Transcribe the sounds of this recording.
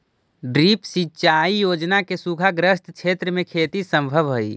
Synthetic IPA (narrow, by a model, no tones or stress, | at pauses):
ɖɾipsitːt͡ʃaijod͡ʒnakesuɡʱaɡɾəst̪ʰt͡ʃʰet̪ɾəmekʰet̪isəmbʱəbɦoj